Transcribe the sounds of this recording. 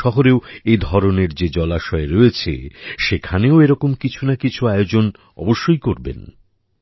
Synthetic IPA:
ɔɦoɾeoed̪ʱɔɾoneɾd͡ʑed͡ʑɔlaʃɔeɾojet͡ɕʰḛʃekʰaneoeɾɔkomkit͡ɕʰunakit͡ɕʰuaeod͡ʑon | ɔ̰boʃːojkoɾbḛn

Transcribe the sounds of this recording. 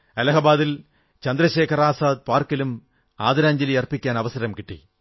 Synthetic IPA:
ɐlɐɦɐbaːðil | t͡ɕɐnd̪ɾɐɕe̞ːkʰɐɾaːsaːd̪̚paːrkilum | aːd̪ɐɾaːɲd͡ʑɐliɐrpːikʲːaːnɐʋɐsɐɾɐmkiʈːḭ

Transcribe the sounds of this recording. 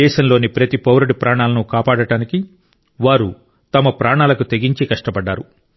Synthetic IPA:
ɛːʃɐmlo̞ːnipɾɐt̪ipɐwɾɐɽipɾaːɳaːlɐnukaːpaːɽɐʈaːniki | ʋaːɾu | t̪ɐmɐpɾaːɳaːlɐkut̪e̞ɡiɲt͡ʃikɐʂʈɐpɐɖːaːɾu

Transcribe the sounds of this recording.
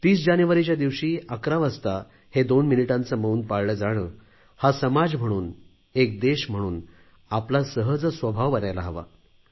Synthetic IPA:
t̪iːsd͡ʑanjuʋaɾit͡ɕjad̪iʋɕiːəkɾaʋəst̪a | hed̪onminiʈãnt͡səməuːnpaɽləd͡zaɽ̃əː | hasəmad͡zm̤əɽ̃uːn | ek̚d̪eɕm̤əɽuːn | aplasəɦəd͡zsʋəbʱaʋʋəɾajlaɦəʋa̰

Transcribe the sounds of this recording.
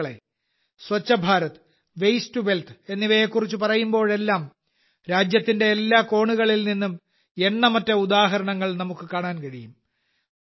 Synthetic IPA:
ɭḛ | sʋɐt͡ɕːɐbʱaːɾɐt̪ɨ̥ | ʋejstube̞lt̪ʰe̞nːiʋɐjekːurit͡ɕːupɐrɐjumbo̞ːɭe̞lːaːm | ɾaːd͡ʑjɐt̪ːinde̞ːlːaːko̞ːɳuɣɐɭilninːum | e̞ɳːɐmɐtːɐud̪aːɦɐɾɐɳɐŋːɐɭnɐmukːɨkaːɳaːnkɐɻijum

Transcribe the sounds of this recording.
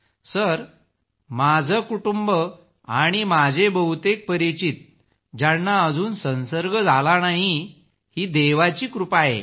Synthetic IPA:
səɾ | mad͡zʱəkuʈumbə | aɽ̃imad͡zʱebəɦut̪ek̚pəɾit͡ɕit̪̚ | d͡ʑanːaəd͡zʱuːnsə̃wsəɾɡəd͡zʱalanaɦi | hiːd̪eʋat͡ɕiːkɾupaɦḛ

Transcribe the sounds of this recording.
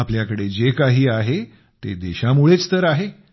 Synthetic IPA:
apljakəɽed͡ʑekaɦiːaɦe | t̪ed̪eɕamuɭet͡st̪əɾaɦe

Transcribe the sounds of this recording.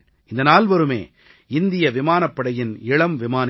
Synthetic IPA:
ɪnd̪ɐnaːlʋɐɾɯmḛː | ɪnd̪ɪjɐʋɪmaːnɐpːɐɽɐjɪnɪɻɐmʋɪmaːn

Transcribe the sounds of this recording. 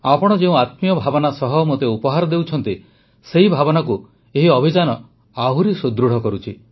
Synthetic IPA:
apɔɽ̃ɔd͡ʒeũat̪mijɔbʱabɔnasɔɦɔmot̪eupɔɦaɾɔd̪ewt͡ʃʰɔnt̪i | seɦibʱabɔnaku | eɦiɔbʱid͡ʒanɔ | aɦuɾisod̪ɾuɽ̤ɔkɔɾut͡ʃʰi

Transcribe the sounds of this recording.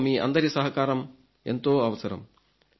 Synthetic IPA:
miːʔɐ̰nd̪ɐɾisɐɦɐkaːɾɐm | ent̪oːɐʋɐsɐɾɐ̰m

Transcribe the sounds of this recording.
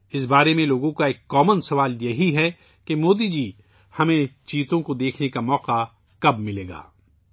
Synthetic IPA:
ɪs̬baːɾemẽloːɡõkaeːkːɔːmənsɐʋaːljɐɦiɦɛ | kemoːd̪id͡ʒiː | hɐmẽt͡ʃiːt̪õkod̪eːkʰnekamɔːqa | kɐbmɪleːɡa̰ː

